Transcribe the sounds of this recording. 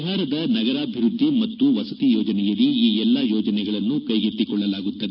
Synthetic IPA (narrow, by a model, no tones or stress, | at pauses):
ɦaːɾɐd̪ɐnɐɡɐɾaːbʱiɾud̪ʱːimɐt̪ːuʋɐsɐt̪ijɔːd͡ʒɐnɛjɐliiːɛlːɐjɔːd͡ʒɐnɛɡɐɭɐnːukɐjɡet̪ːikɔɭːɐlaːɡut̪ːɐd̪